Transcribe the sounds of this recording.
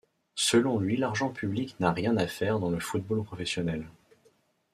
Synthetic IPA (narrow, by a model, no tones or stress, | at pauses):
səlɔ̃lɥilaʁʒɑ̃pʰybliknaʁjɛ̃nafɛʁd̪ɑ̃ləfut̪̚bolpχɔfɛsjɔnɛl